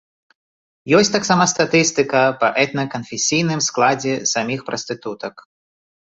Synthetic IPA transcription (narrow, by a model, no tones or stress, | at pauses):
jɔsʲt̪aksamɐst̪at̪ɨst̪ɨkɐpɐʔɛt̪nɐkɐnfʲesʲijnɨmsklˠad͡zʲɛsamʲixpɾɐst̪ɨt̪ut̪ɐk